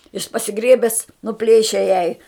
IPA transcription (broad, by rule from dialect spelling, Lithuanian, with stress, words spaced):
jɪʃ pɐsʲɪˈɡrʲeːbʲɛs nʊˈpʲlʲeːʃʲɛ jɛɪ